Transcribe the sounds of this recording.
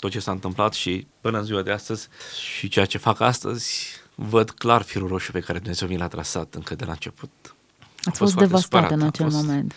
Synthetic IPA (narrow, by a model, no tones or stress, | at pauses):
t̪o̞t̪̚t͡ʃe̞saɨnt̪ɨmplat̪ʃipɨnəɨnziuwad̪east̪əz̥ʲʃit͡ʃe̞jat͡ʃefakast̪ə̰zʲvəd̪klarfiɾuɾo̞ʃipe̞kaɾed̪umnezewminlat̪ɾasat̪ɨŋkəd̪ela̰nt͡ʃe̞put̪̚ | at̪sfot̪fd̪e̞vasst̪at̪ɨnat͡ʃe̞llmome̞nt̪